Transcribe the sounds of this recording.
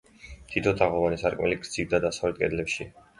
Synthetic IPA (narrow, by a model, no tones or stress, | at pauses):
mt̪ʰit̪ʰɔt̪ʰaʁɔvanisaɾkʼmɛ̰liɡɾd̪z̥ivd̪ad̪asavlɛt̪kʼɛd̪lɛpʃi